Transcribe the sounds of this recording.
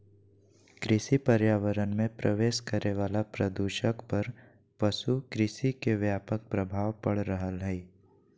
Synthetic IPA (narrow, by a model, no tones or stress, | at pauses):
kɾɪʃipəɾjaːʋəɾənmẽpɾəʋeːʃkəɾeʋaːlapɾəd̪uʃəkpɐɾ | pəʃukɾɪʃikeʋjaːpək̚pɾəbʱaːʋpɐɽɾəɦəlɦɛi